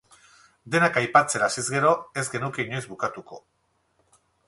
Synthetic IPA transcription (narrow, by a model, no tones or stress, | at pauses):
d̪e̞nakajpat͡se̞ɾasizɡe̞ɾo̞e̞zɡe̞nuke̞iɲojzbukat̪uko̞̰